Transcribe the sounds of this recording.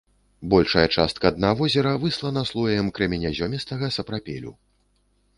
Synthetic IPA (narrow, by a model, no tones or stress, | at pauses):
bɔlʲʂɐjɐt͡ʂast̪̚kɐːd̪navɔzʲɛɾɐvɨslˠɐnɐslˠɔjɐjɛmkɾɐmʲɛnʲazʲɔmʲist̪ɐɣɐsɐpɾapʲɛ̰lʲṵ